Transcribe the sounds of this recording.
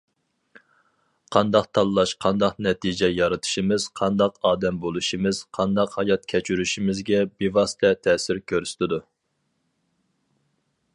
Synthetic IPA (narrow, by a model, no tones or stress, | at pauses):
qʰɑnd̪ɑqt̪ʰɑlˠlˠɑʃqʰɑnd̪ɑqnɛt̪ʰid͡ʒɛjɑɾɨt̪ʰɨ̥ʃimɪz̥qʰɑnd̪ɑqɑːd̪ɛmbolˠuʃimɪz̥qʰɑnd̪ɑqhɑjɑt̪̚kʲʰɛt͡ʃʰyɾyʃimɪzɡʲɛbivɑsɨ̥t̪ʰɛt̪ʰɛːsɪɾkʲʰøɾsɪ̥t̪ʰɪd̪u